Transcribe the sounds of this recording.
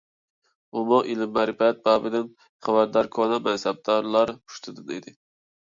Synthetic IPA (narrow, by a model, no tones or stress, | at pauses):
umɑʔilɪmːæɾɪpɛt̪̚bɑːbɪd̪ɪn | χæbæɾd̪ɑɾkʰonɛmɛnsɛb̚d̪ɑɾlˠɑɾʰu̥ʃt̪ʰɨd̪ɨned̪ɪ